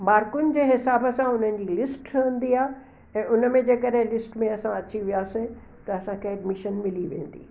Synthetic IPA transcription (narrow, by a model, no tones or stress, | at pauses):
maːɾkʊnɪ̆d͡ʑeːɦɪsaːbəsãʊn̤ən̆d͡ʑilɪsʈʈʰə̃nd̪iaːɦ | ɛ̃ːʊnəmẽd͡ʑeːkəɖɦẽlɪsʈmẽɐsãɐt͡ɕiʋijaːsĩ | t̪ɐɐsãkʰeɐɖmɪʃənmɪliʋḛ̃ːn̆d̪ḭː